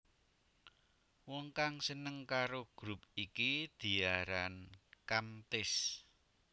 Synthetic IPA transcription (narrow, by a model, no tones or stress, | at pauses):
wɔŋkaŋsənəŋkaɾoɡ̥ɾupikid̪̥i̤aɾankamt̪ɪs